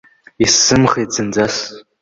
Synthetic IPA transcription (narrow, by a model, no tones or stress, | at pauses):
isɨmχeːd͡zɨnd͡zas